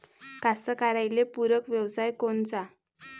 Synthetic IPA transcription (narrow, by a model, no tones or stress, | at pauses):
kast̪əkaɾajlepuɾəkʋjəwsajkont͡sa